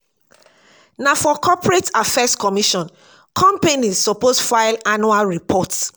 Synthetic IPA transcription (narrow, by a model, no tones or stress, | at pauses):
nafɔkʰɔpɹetafɛskɔmiʃɔ̃n | kʰɔ̃mpẽnizsɔposfaɪlanualɹipʰɔt